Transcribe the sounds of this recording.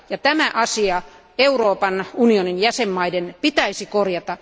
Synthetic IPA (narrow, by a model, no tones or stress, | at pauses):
jɑt̪æmæʔɑsiɑ | euroːpɑnunioninjæsemːɑidenpit̪æisikorjɑt̪ɑ